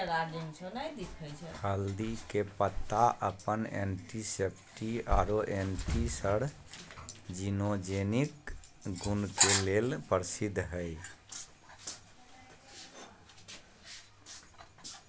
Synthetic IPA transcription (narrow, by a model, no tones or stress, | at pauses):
əlad͡ʒənsʰunajd̪ikʰət͡ʃʰɛhəld̪ikepət̪ːaʔəpənḛnʈisep̚ʈia̰ɾoʔenʈisəɽ | d͡ʒinod͡ʒenikɡunkelelpəɾsid̪ʱːɦəj